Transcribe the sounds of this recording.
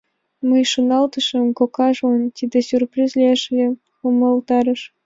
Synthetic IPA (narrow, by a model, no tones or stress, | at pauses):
mɤjʃunɑlˠt̪ɤʃɤ̆mkokɑʒont̪ʲid̪ʲesʲyrprʲizʲlʲeʒlʲe | xumɤ̆lˠt̪ɑɾɤ̆ʃ